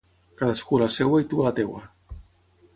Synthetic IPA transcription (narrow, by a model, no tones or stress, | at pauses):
kaðaskulasɛwait̪ualat̪ewa